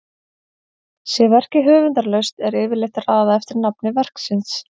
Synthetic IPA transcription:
sjɛvɛr̥cɪɦœːvʏnt̪aɾlœɥst̪ɛɾɪːvɪɾlejht̪araːðaɛft̪ɪɾnapnɪvɛr̥ksɪns

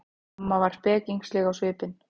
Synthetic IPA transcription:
mavaɾ̥spɛːciŋkslɛɣawsvɪːpɪn

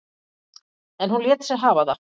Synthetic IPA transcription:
ɛnhunljɛːt̪sɛɦaːvaða

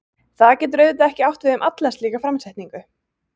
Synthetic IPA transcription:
θaðcɛːt̪ʏɾœɥðɪt̪aɛhcɪawht̪vɪðʏmʔat̪lɛsliːɣafɾamsɛjht̪niŋkʏ

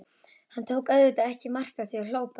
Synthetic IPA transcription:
hant̪ʰoːwkœðvʏt̪aɛhcɪmar̥kaθiawloːwpa

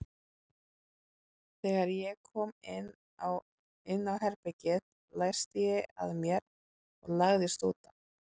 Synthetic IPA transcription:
θɛːɣaɾjɛkʰɔːmɪn | w | ɪnːawɦɛɾpɛcɪð | laj̥st̪ɪjɛa̰ðmjɛɾ | ɔ̰ɣlaɣðɪst̪oːwt̪ḁ

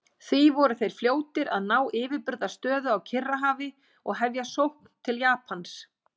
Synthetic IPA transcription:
θvivɔɾʏθejɾ̥fljoːwt̪ɪɾaðnaːwʔɪːvɪɾpʏɾðast̪œːðʏawcʰɪrːaɦaːvɪ | ɔɣɦɛvjasowhkn̥t̪ʰɪljaːpʰans

